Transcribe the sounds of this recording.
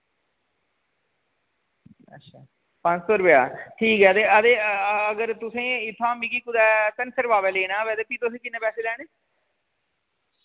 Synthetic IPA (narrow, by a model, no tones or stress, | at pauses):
ə̰tːʃʰaː | pə̃ɲt͡ʃsoːɾʊpja̰ːʈʰiːkɦɛːəd̪eːəd̪eːəɡəɾt̪ʊsẽːɪt̪ʰːãːmiɡiːkʊd̪ɛːt̪ənsəɾʋaːʋɛːleːnãːʋɛːd̪eːpiːt̪ʊsẽːkɪnːẽːpɛːseːlɛːɽ̃eː